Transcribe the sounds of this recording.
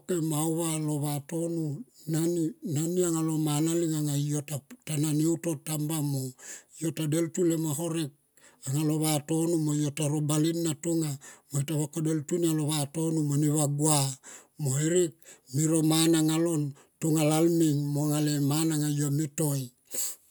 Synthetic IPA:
kemauβalo̞βato̞nunaninaniaŋalo̞manaliŋaŋaiotatananiuto̞tambamojo̞tade̞ltulemaɦo̞ɾe̞k̚ | aŋalo̞βato̞numojotaɾobalinːatoŋamoitaβakode̞ltunialo̞βato̞numoniβaɡuamoiɾik̚miɾo̞manaŋalo̞n | tuŋalalmiŋmoŋalemanaŋajomito̞j

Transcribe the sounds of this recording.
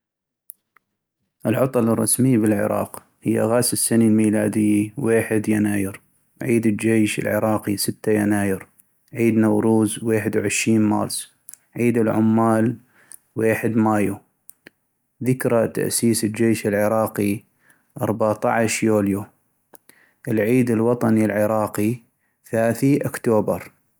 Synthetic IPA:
ʔɪlʕɑt̪ˤɑlɑrˤːɑ̰smɪjːbɪlʕɪ̰ɾˤɑ̰ːq | hɪjːa̰ɣaːsɪsːanilmiːlaːd̪ɪjːiweːħɪd̪janaːjɪɾ | ʕiːd̪əd͡ʒeːʃɪ̰lʕɪ̰ɾˤɑːqisɪt̪ːajanaːjɪɾ | ʕiːd̪nawɾˤuːzweːħɪd̪wʕɪʃɾiːnmɑ̰ːɾˤsˤ | ʕiːd̪ɪlʕʊmːaːl | weːħɪd̪maːju | ðɪkɾˤat̪a̰ʔsiːsɪd͡ʒeːʃɪlʕɪɾɑːqi | ʔɑ̰ɾˤbaʕt̪ɑʕʃjuːlju | ʔɪlʕiːd̪ɪlwɑt̪ˤɑnilʕɪɾɑːqi | θalaːθiʔʊkt̪oːbɑ̰ɾˤ

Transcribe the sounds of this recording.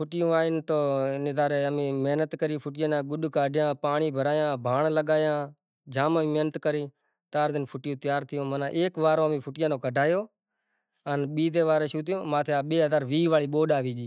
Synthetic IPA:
pʰʊʈɪjõːaːɪnt̪oːnɪːd̪aːɾeːəmĩːmeːnət̪kəɾiːpʰʊʈɪjãːnãːɡʊɗkaːɖʱɪjãːpaːɳiːbʱəɾaːjãːbʱaːɳləɠaːjãː | d͡ʒaːmaiːmeːnət̪kəɾiː | t̪aːɾd̪ɪnpʰʊʈjõːt̪ɪjaːɾt̪ʰɪjõːmənãːʔeːkʋaːɾõːmĩːpʰʊʈɪjãːnoːkəɖʱaːjoː | ənɓiːd̪eːʋaːɾeːʃuːt̪ɪjõːmãːt̪ʰeːaːɓeːɦəzaːɾʋiːʋaːɭiːɓoːɗaːʋiːd͡ʒiː

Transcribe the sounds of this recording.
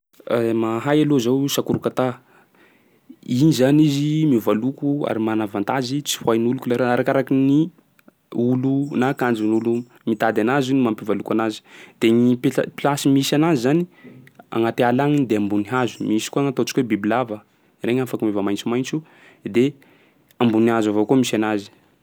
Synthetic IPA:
maɦajalozawsakuɾukat̪a | inizanizimivalukua̰ɾimanavant̪azit͡si̥fwajnulukulaɾaaɾakaɾakini | ulunakand͡ʒinulu | mit̪ad̪anazunimampivalukanazi̥d̪̥eɲippilasimisanazizania̰ŋat̪ealaŋinid̪eambuniɦazu̥miisi̥kuaŋat̪ot͡ʃi̥kwebibilavə | reɲafakumevamajnt͡simajnt͡su | d̪e | ambuniazavokumisanazi̥

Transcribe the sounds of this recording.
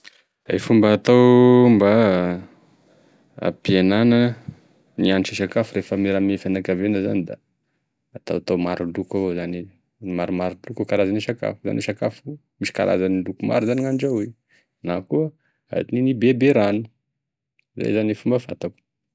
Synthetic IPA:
a̰jfumbaːt̪awmba | a̰pienanə | nianʈ͡ʂisakafuɾefəmeɾamiefanakavenəza̰nid̪aː | t̪a̰wat̪awmaɾulukazani | maɾumaɾulukakaɾazaniʃaka̰fuza̰niʃakafu | misi̥kaɾa̰zanilukuma̰ɾuzaniŋanʈ͡ʂawi | nakuə | a̰d̪ininibebeɾanu̥ | zḛjzanifumbəfa̰t̪aku̥

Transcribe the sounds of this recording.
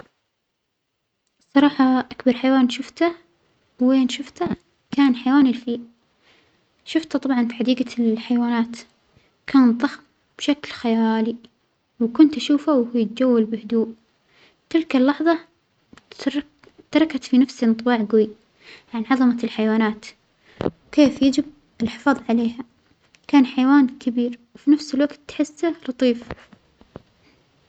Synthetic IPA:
sˤːɑɾˤɑːħɑʔakbɑɾˤħajwaːnʃʊft̪a | weːnʃʊft̪a | kaːnħajwaːnɪlfiːʔ | ʃʊft̪at̪ˤɑbʕɑnfiːħad̪iːɡalħajwaːnaːt̪ | kʰaːnðˤɑx | b̥ʃaklxajaːli | wkʊnt̪ʔaʃuːfawhujɪt̪̚d͡ʒawːalbɪhʊd̪uːʔ | t̪ɪlkalːɑħðˤɑ | t̪ːɑɾˤɑkat̪finafsinɨt̪ˤbɑːʕɡwi | ʕanʕɑðˤɑmalħajwaːnaːt̪ | wkeːfjad͡ʒɪb̚ | ɪlħɪ̥fɑːðˤʕaleːha | kaːnħajwaːnkʰɪbiːɾwfinafsɪlwaɡt̪ːħɪsːalɑt̪ˤiːf

